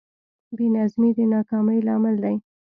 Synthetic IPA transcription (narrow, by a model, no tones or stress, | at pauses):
benazmid̪ənɑkɑməjlɑmɪld̪aj